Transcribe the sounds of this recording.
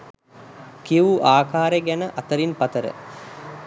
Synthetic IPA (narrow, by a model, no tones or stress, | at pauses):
kiʋuʔaːkaːɾeɡænəʔɐt̪əɾinpɐt̪əɾə̰